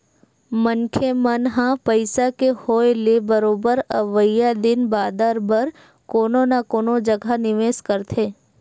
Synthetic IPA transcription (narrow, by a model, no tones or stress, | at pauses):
mənkʰemənɦãpəjsakehojlebəɾobəɾəʋəjad̪ɪnbad̪ʱaɾbəɾ | kononakonod͡ʒəɡʱanɪʋeskəɾt̪ʰe